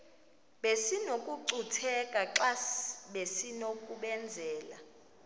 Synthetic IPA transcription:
ɓesinokʼuǀutʰɛkʼaǁasɓesinokʼuɓɛnd͡zʱɛːla

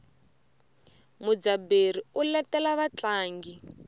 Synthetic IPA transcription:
mud͡zabeɾ̤iulɛtɛlaβat͡ɬaːŋɡi

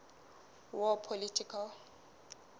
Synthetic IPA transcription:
wɔpʰolitʰikʰal

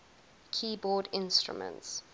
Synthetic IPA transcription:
kʰiːbɔːdɪ̃nstɹṵmə̰̃nts

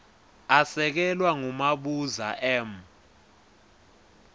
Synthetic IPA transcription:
asɛk̬ɛlwaŋumaɓuza̰ʔɛm

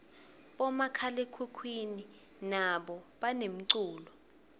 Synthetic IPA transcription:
ɓɔmakʰalekʰukʰwini | naɓɔɓanem̩ǀuːlɔ

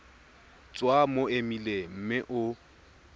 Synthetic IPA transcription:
t͡sʼwamoemilem̩mɪʔʊ

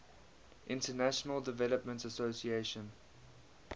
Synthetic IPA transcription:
ʔɪ̃ntənæʃənəlˠdɪvɛləpmə̃ntəsosieʃə̃n

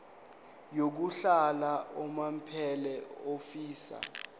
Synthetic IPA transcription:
jok̬uɬalaʔɔmam̩pʰɛlɛofiːsa̰

